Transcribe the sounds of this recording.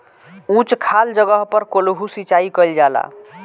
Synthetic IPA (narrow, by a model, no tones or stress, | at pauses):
ũt͡ʃkʰald͡ʒəɡəɦpəɾkoluɦusit͡ʃaikəld͡ʒala̰